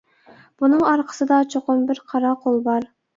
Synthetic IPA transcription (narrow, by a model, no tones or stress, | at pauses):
b̥unɨŋɑɾqʰə̥sɨd̪ɑt͡ʃʰoqʊmbɪɾqʰɑɾɑqʰolˠbɑɾ